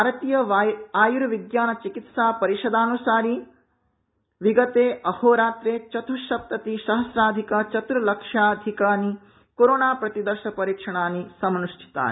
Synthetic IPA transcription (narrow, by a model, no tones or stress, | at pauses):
bʱaːɾɐt̪ijɐaːjuɾʋiɡjaːnɐt͡ʃikit̪saːpɐɾiʃɐd̪aːnusaːɾi | ʋiɡɐt̪eːʔɐhoːɾaːt̪ɾeːt͡ʃɐt̪ʰuʃɐp̚t̪ɐt̪iʃɐɦɐsɾaːd̪ʱikɐt͡ʃɐt̪ɾulɐkʂaːd̪ʱikaːni | koːɾoːnaːpɾɐt̪id̪ɐɾʃɐpɐɾiːkʂɐɳ̃aːnisɐmnuʃʈʰi̥t̪a̰ːn